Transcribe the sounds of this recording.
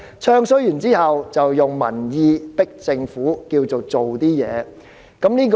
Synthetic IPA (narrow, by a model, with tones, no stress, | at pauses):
t͡ʃʰœː˧ŋsɵ˨˥jyː˨˩nt͡siː˥hɐ˨wt͡sɐ˨wjʊ˨ŋmɐ̰˨˩njiː˧pɪ˥k̚t͡sɪ˧ŋfuː˨˥kiː˧wt͡so˨wt͡so˨wt̪iː˥jɛ̰ː˨˧ | kɐ˨˥mniː˥k